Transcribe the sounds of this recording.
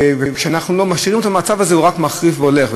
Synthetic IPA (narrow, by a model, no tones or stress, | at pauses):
vekʃeanaχnulo̞maʃiʁimet̪amat͡savazeuʁakmaχʁifveole̞χv